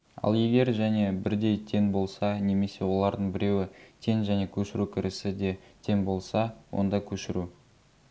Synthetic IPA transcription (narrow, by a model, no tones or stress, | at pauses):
ɑ̰lˠje̞ɡʲe̞ɾʒæne̞bɪɾd̪e̞jt̪ʰe̞nbo̞lˠsɑne̞me̞se̞wo̞lˠɑɾd̪əɴbɪɾe̞wɪt̪ʰe̞nʒæne̞kʲʰɵʃɪɾukʲʰɪɾʔɪsɪd̪e̞t̪ʰe̞nbo̞lˠsɑwo̞̰nd̪ɑkʲʰɵʃɪɾu